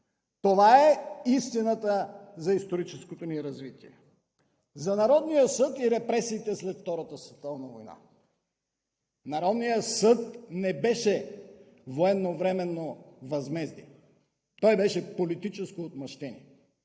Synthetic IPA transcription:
t̪ovaɛist̪inət̪əzɐist̪oɾit͡ʃɛskot̪oniɾɐzvit̪iɛ̰ | zɐnɐɾɔd̪nijəsɤt̪iɾɛpɾɛsiːt̪ɛslɛt̪ft̪ɔɾət̪əsvɛt̪ɔvnɐvojna̰ | nɐɾɔd̪nijəsɤt̪̚nɛbɛʃɛ | voɛnːovɾɛmɛnːovɐzmɛzd̪ḭ | t̪ɔjbɛʃɛpolit̪it͡ʃɛskoːt̪mɐʃt̪ɛniɛ

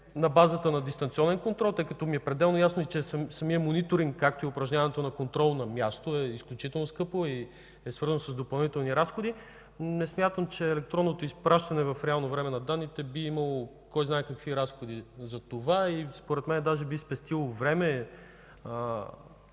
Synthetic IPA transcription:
nɐbazət̪ənɐd̪ist̪ɐnt̪siɔnɛnkont̪ɾɔlˠt̪ɤjkət̪ɔmiɛpɾɛd̪ɛlˠnojasnoit͡ʃɛssɐmiəmonit̪oɾiŋkkːak̚t̪oiʊpɾɐʒɲʲavɐnɛt̪onɐkont̪ɾɔlˠnɐmʲjast̪oɛisklʲut͡ʃit̪ɛlˠnoskɤpoi | ɛsvɤɾzənosəzd̪opɐlˠnit̪ɛlˠniɾasxod̪i | nɛsmʲjat̪əmt͡ʃɛːlɛk̚t̪ɾɔnːot̪oispɾaʃt̪ɐnɛvɐfɾɛalˠnovɾɛmɛnɐd̪anːit̪ɛbiimɐlˠo | kɔjzaɛkɐkviɾasxod̪izɐt̪ovaispoɾɛt̪mɛnd̪aʒɛbispɛst̪ilˠovɾɛmɛ | ə

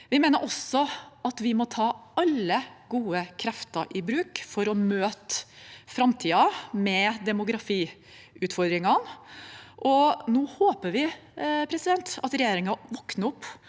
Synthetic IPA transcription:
ʋɪmeːnəɾʔɔsːɔʔɑt̪ʋɪmɔt̪ʰɑːɑlːəɡuːəkʰɾɛft̪ə̰ɾʔɪbɾʉːkfɔɾɔmøːt̪fɾɑmt̪ʰiːɑmɛd̪ɛmʊɡɾɑfiː | ʉːt̪fɔɾd̪ɾɪŋɑn | ʔɔnuːhoːpəɾʋɪ | pʰɾɛsɪd̪ɛnt̪ɑt̪ɾɛjeːɾɪŋɑʋɔknəɔpː

